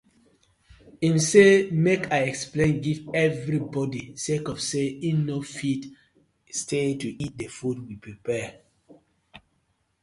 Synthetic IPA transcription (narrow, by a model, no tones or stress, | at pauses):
ĩmsemekʰaɪɛksplẽnɡivɛvɹibɔdisekɔfseinnofit | stʰetuʔit̚defud̚wipɹipɛ